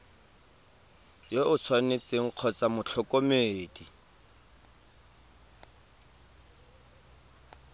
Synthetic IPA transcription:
joʔʊt͡sʰwanet͡seŋ̩q͡χʰɔt͡samʊt͡ɬʰɔkʼomeːdi

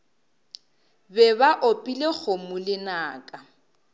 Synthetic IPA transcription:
bɛβaʔopʼilek͡xʰomʊlɪnaːkʼa

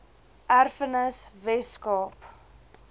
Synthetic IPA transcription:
ʔærfənəsvɛskɑːp

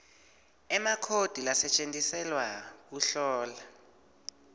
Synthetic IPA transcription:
ɛmakʰod̥ʱilasɛt͡ʃʼentʼisɛlwak̬uɬɔːla

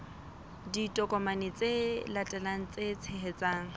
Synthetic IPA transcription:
ditʼɔkʼɔmanɪt͡sʼelatʼɛlaŋ̩t͡sʼet͡sʰeɦet͡sʼaːŋ̩

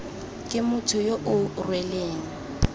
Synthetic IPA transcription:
kʼɪmʊtʰʊjoʔʊrwɛleːŋ̩

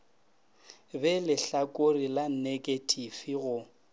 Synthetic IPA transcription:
bɛlɪɬakʼorilan̩nekʼetʰʼifiɣʊ

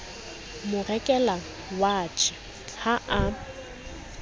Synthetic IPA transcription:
mʊrɛkʼɛla | waːt͡ʃʼɪ | haʔa

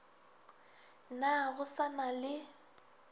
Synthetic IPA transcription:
naɣʊsanalɪ

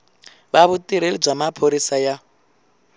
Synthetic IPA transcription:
βaβut̪ʼiɾelib͡ʐamapʰoɾisaja

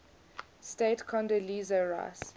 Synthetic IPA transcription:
stetkʰɔ̃ndəliːzəɹa̰s

